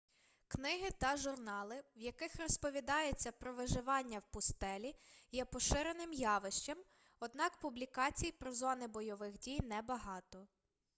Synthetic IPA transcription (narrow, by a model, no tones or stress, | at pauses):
knɪɦɪt̪ɐʒʊrnɑlˠɪwjɐkɪxrɔspɔʋʲid̪ɑjʊt͡sʲːɐpɾɔʋɪʒɪʋɑnʲːɐwpʊst̪ɛlʲijɛpɔʃɪɾenɪmjɑʋɪʃt͡ʃɐm | ɔd̪nɑkpublʲikɑt͡sʲijpɾɔzɔnɪbɔjɔʋɪxdʲijnɛbɐɦɑt̪ɔ